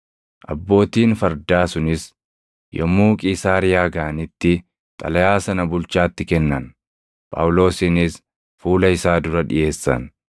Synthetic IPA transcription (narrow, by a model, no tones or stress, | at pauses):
ʔɐ̰bːo̞ːt̪iːnfɐɾd̪aːsʊnɪs | jɔmːuːkʼɪːsaːɾɪjaːɡɐʔɐnɪt̪ːɪ | t̪ʼɐ̰lɐjaːsɐnɐbʊlt͡ʃaːt̪ːɪkɛnːɐn | pʼɐ̰wʊlo̞ːsɪnɪs | fuːlɐɪsaːd̪ʊɾɐᶑɪ̰jʔe̞ːsːɐ̰n